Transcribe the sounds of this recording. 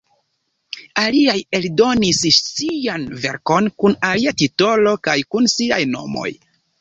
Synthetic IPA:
aliajeldo̞nissianve̞ɾko̞nkunaliatito̞lo̞kajkunsiajno̞̰mo̞̰j

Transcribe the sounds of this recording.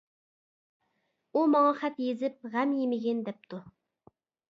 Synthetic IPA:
umɑŋɑχɛt̪jezɪp̚ʁæmjemɪɡʲɛnd̪ɛp̚t̪ʰu

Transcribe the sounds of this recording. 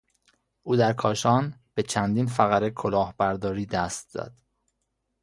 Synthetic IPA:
ʔuːd̪æɾkʰɒːʃɒːnb̥e̞t͡ʃʰænd̪iːnfæɣæɾekʰo̞lɒːhbæɾd̪ɒːɾiːd̪æst̪z̥ɒ̰d̪̥

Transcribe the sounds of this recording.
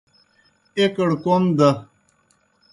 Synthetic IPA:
ekəɽkomd̪ɐ

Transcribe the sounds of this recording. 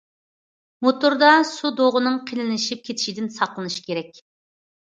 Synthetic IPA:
mot̪uɾd̪ɑsud̪oʁʊnɨŋqʰelɪnɪʃip̚kʲʰet̪ʰɪ̥ʃid̪ɪnsɑqlˠɨnɨʃi̥kʲʰeɾɛkʲ

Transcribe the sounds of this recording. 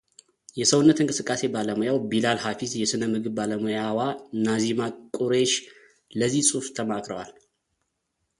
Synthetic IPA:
jɛsəwʊnːət̪ɨŋkʼɨsɨkʼːase̞baləmujawbilalhafizjɛsɨnəmɨɡɨβbaləmujawanazimakʼuɾeʃ | ləzihsʼuft̪ʰəmakʼɾə̰wa̰l

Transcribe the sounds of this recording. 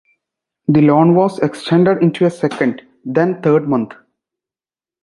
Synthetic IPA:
d̪ilɔ̃ːnʋɔːzekst͡ʃɛ̃ɳɖəɖɪ̃nʈuesɛkə̃ɳɖ | d̪ɛ̃nt̪ʰəːɾɖmʌ̃nt̪ʰ

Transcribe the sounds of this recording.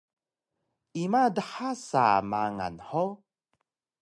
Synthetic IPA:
imadəħasa̰maŋa̰nħo

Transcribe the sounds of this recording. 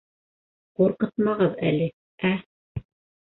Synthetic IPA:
quɾqɤt̪mɑʁɤðælɘ | æ

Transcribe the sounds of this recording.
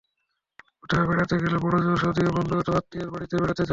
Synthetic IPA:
ut̪ʰabeɽat̪eɡelebɔɽod͡ʑoʃod̪iobɔnd̪oɡɔt̪oɦat̪ːiaɾbaɽit̪ebeɽat̪ed͡ʑa

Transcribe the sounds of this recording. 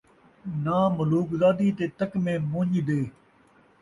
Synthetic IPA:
naːmʊluːkzaːd̪iːt̪eːt̪əkmẽːmõːɲd̪eː

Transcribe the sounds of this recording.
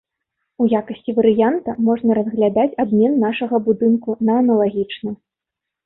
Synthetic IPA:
ujakɐsʲt͡sʲivɐɾɨjant̪ɐmɔʐnɐɾɐzɣlʲad̪at͡sʲab̚mʲɛnːaʂɐɣɐbud̪ɨnkunɐːnɐlˠaɣʲit͡ʂnɐ

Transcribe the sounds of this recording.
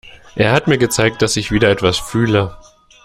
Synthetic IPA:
ʔeːɐɦatmiːɐɡət͡saɪk̚t̚d̥asɪçv̥iːdɐɛtv̥asfyːlə

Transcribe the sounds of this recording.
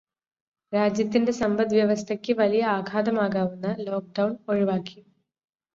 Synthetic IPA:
ɾaːd͡ʑjɐt̪ːinde̞sɐmbɐd̪ʋjɐʋɐst̪ʰɐkʲːɨʋɐlijɐaːɡʰʱaːd̪ɐmaːɣaːʋunːɐlo̞ːk̚ɖɐwnoɻiʋaːkːi

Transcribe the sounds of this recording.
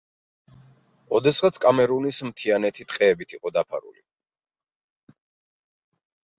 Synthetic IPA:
ɔd̪ɛsʁat̪sʰkʼamɛɾunismt̪ʰianɛt̪ʰit̪ʼqʼɛːbit̪ʰiqʼɔd̪apʰa̰ɾṵli

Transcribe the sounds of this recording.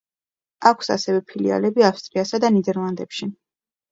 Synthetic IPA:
akʷʰsa̰sɛvɛpʰilia̰lɛbiafst̪ʼɾiasad̪anid̪ɛɾlˠand̪ɛpʃi

